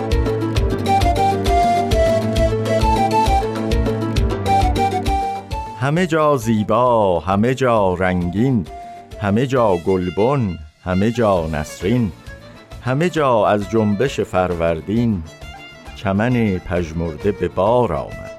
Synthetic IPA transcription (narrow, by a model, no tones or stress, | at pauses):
hæme̞d͡ʒɒːziːbɒːhæme̞d͡ʒɒːɾæŋɡinhæme̞d͡ʒɒːɡolbon | hæme̞d͡ʒɒːnæ̰sɾin | hæme̞d͡ʒɒːæzd͡ʒombe̞ʃefæɾvæɾd̪iːn | t͡ʃʰæmænepʰæʒmoɾd̪e̞be̞bɒːɾɒ̰ːmæ̰d̪̥